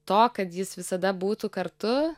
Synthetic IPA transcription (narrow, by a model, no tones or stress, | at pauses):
t̪oːkɐt̪jɪsʋʲɪsɐd̪ɐbuːt̪ukɐɾt̪ʊ